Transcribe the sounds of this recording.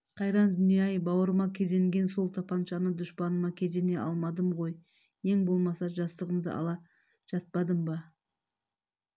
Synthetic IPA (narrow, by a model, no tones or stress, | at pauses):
qʰɑjɾɑnd̪ʏnijɑjbɑwəɾəmɑkʲʰe̞ze̞ŋɡʲe̞nso̞lˠt̪ʰɑpʰɑnʃɑnəd̪ʊʃpɑnəmɑkʲʰe̞ze̞ne̞ʔɑlˠmɑd̪əmʁo̞j | je̞ŋbo̞lˠmɑsɑʒɑst̪əʁəmd̪ə̰ɑ̰lˠɑ | ʒ̥ɑt̪̚pɑd̪əmbɑ